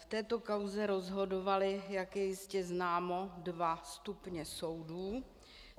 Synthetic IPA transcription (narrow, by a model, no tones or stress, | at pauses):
ft̪ɛːt̪o̞kawzɛɾo̞zɦo̞do̞valɪjakjɛjɪscɛznaːmo̞dvast̪upɲɛso̞wduː